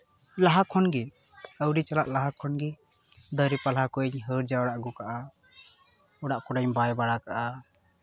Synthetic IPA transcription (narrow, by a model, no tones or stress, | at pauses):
laɦakʰɔnɡi | əwɾit͡ʃalaʔlaɦakʰːɔnɡi | d̪əɾipalɦakuɲɦəɾd͡ʒaɔɽaʔɡukaʔa | ɔɽaʔkɔɾaɲbajbaɽakaʔa